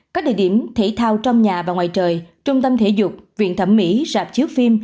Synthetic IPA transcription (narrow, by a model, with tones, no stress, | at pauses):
kaː˦˥k̚ɗḭ˧˨ɗi˧˩əmt̪ʰḭ˧˩t̪ʰaː˧wt͡ɕɔ˧wŋ͡mɲaː˨˩vaː˨˩ŋwaː˨˩jt͡ɕəː˨˩jt͡ɕʊ˧ŋ͡mt̪ə˧mt̪ʰe˧˩˦zʊ˨˩k͡p̚vḭ˧˨ənt̪ʰə˧˩mːḭ˧˥zaː˨˩p̚t͡ɕi˨˦ək̚fi˧m